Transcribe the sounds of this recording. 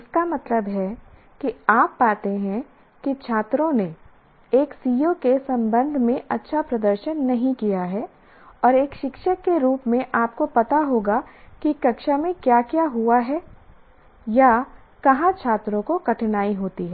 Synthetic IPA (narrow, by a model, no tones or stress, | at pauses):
ɪskamɐt̪ləbɦɛ | kiaːpːaːt̪eɦɛ̃ | kit͡ʃʰaːt̪ɾõne | eːksiːjokesɐ̃mbə̃nd̪ʱmẽʔɐtːʃʰapɾɐd̪əɾʃənːɐɦĩkijaɦɛ | ɔːɾeːkʃɪkʃəkːeɾuːpmẽʔaːp̚kopɐt̪aɦoːɡakikɐkʃamẽkjaːkjaɦuaɦɛː | ja | kɐɦãt͡ʃʰaːt̪ɾõkokɐʈʰnaːiɦoːt̪iɦɛː